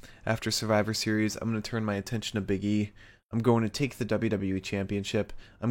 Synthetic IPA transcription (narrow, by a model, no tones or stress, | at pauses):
ʔæftə˞sə˞vaɪvə˞sɪɹizãɪ̃mɡʌ̃nɨtʰɜ̃˞nmaɪɨtʰɛ̃nʃɨ̃n̩ɨbɪɡi | ãɪ̃mɡoʊɪ̃ŋtʰɨtʰeɪk̚ðɨdʌblˠjʉɾʌbl̩ˠjut͡ʃʰæ̃mpiɨ̃nʃɪpãɪ̃m